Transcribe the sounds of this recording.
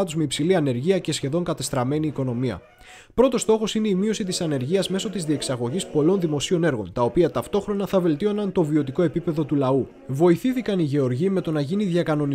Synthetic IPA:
ɐt̪uzmeipsiliɐne̞ɾʝiɐce̞sçe̞ðo̞ŋkɐt̪est̪ɾɐme̞niːko̞no̞miɐ̰ | pɾo̞t̪o̞st̪o̞xo̞sine̞imio̞sit̪̬isɐne̞ɾʝiɐzme̞so̞t̪izðie̞ksɐɣo̞ʝispo̞lo̞nðimo̞sio̞ne̞ɾɣo̞̰nt̪ɐo̞piɐt̪ɐft̪o̞xɾo̞nɐθɐve̞lt̪io̞nɐnt̪o̞vio̞t̪iko̞e̞pipe̞ðo̞t̪ulɐu | vo̞iθiθikɐniʝe̞o̞ɾʝime̞t̪o̞nɐʝiniðʝɐkɐno̞ni

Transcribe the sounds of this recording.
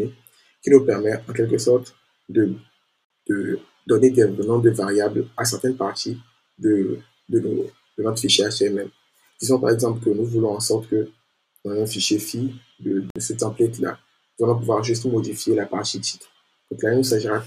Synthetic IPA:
e | kʲinupɛʁmɛɑ̃k̬ʲɛlkəsɔʁt̪ | d̪ə | d̪̥ə | d̪ɔned̪ɛnɔ̃d̪əvaʁjablasɛʁt̪ɛnpaʁt̪ʰi | d̪ə | d̪əno | d̪ənɔt̪χfiʃeaʃɛmɛm | d̪̥izɔ̃pa̰ʁɛɡzɑ̃plkənuvulɔ̃ɑ̃sɔʁt̪kə | ɔ̃nɛ̃fiʃefi | d̪əd̪əsɛt̪ɑ̃plɛt̪la̰ | nuzalɔ̃p̬uvwaʁʒyst̪mod̪ifjelapaʁt̪it̪ʰi̥t̪χ | d̥̪ɔ̃klanəsaʒiʁa

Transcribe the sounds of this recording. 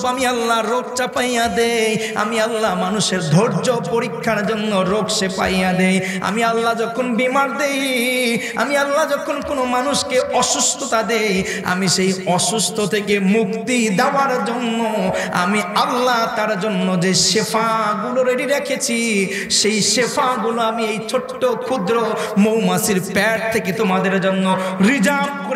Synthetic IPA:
pamialːaɾoɡ̚t͡ʃapajad̪ej | a̰mialːaɦmanuʃeɾd̪ʱoɾd͡ʒɔpoɾikʰːaɾd͡ʒonːɔɾoɡsepa̰jad̪ej | a̰mialːad͡ʒɔkʰonbimaɾd̪ej | a̰mialːad͡ʒɔkʰonkonomanuskeʔɔsust̪ʰɔt̪ad̪ej | a̰misejɔsust̪ʰɔt̪ʰekemukt̪id̪aaɾd͡ʒonːoa̰mialːat̪aɾd͡ʒonːod͡ʑeʃepʰaɡuloɾeɽiɾekʰet͡ɕʰi | ʃejʃepʰaɡuloamiejt͡ʃʰoʈːokʰud̪ɾo | mowmasiɾpɛʈ̚t̪ʰeket̪omad̪eɾd͡ʒonːoɾid͡ʑamkoɾ

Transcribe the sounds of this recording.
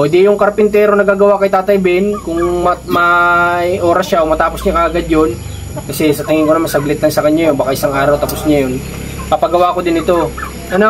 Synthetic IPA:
od̪ijʊŋkɐɾpɪnt̪ɛːɾonɐɡaːɡɐwakɐjt̪aːt̪ɐjbɪnkʊŋmɐmɐ | ʔo̞ːɾɐsʃaʔomɐt̪aːpo̞sɲakɐʔɐɡad̪jon | kɐsɛsɐt̪ɪŋɪŋkoɐmɐsɐɡlɪt̪lɐŋsɐkɐɲːajonbɐkaʔɪsaŋaːɾɐwt̪ɐpo̞sɲajon | pɐpɐɡɐwaːkod̪ɪnɪt̪o̞ | ʔɐno

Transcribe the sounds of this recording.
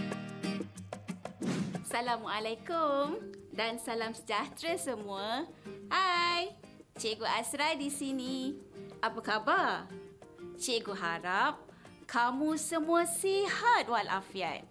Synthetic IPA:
salamualakumdansalamsəd͡ʒat̪ɾasəmũahajt͡ʃeʔɡuʔasɾadisiniʔapakabar | t͡ʃeʔɡuɦaɾap̚ | kʰamũsəmũasihat̪̚wala̰fja̰t̚

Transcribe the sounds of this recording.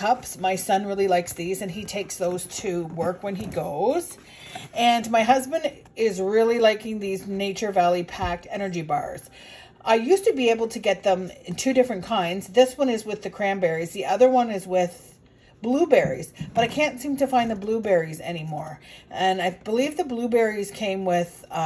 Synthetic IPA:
kʰʌpsmaɪsʌ̃nɹɪlˠilaɪksðizɨ̃nitʰeɪksðoʊz̥tʰɨwɜ˞kwɨ̃niɡoʊz̥ | ɨ̃nmaɪɦʌzbɨ̃nd | ɪzɹɪlˠilaɪkɪ̃ŋðizneɪt͡ʃə˞vælˠipʰæk̚tɛnə˞d͡ʒibɑ̰ɹz̥ | ʔaɪjʉstɨbieɪbl̩ˠtʰɨɡɛt̪̚ðə̃mɨ̃ntʰʉɾɪfɹɨ̃nkʰãɪ̃ndzðɪswʌ̃nɨzwɨðɨkʰɹ̥æ̃mbɛɹizðiʔʌðə˞wʌ̃nɨzwɪð̥ | b̥lubɛɹḭz̥b̥ʌɾaɪkʰæ̃ntsĩmtɨfãɪ̃nðəblubɛɹizɛ̰ñimɔɹʔɨ̃naɪb̥əlivðɨblubɛɹiz̥kʰẽɪ̃mwɪð̥

